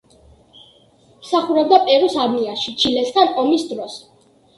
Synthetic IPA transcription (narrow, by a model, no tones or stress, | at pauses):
msaχuɾɛb̚d̪apʼɛɾusaɾmiaʃit͡ʃʰilɛsɡanɔmisd̪ɾɔs